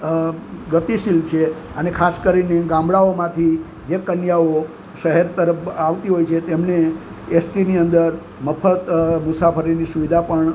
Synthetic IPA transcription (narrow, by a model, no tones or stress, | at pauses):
ɡət̪iʃilt͡ʃʰe | ənekʰaskəɾineɡãmbɽaomãt̪ʰi | d͡ʒekənjao | ʃəɦeɾt̪əɾəpʰaʋt̪iɦojt͡ʃʰet̪emneː | sʈiniənd̪əɾ | məpʰət̪musapʰəɾinisuʋid̪ʱapəɳ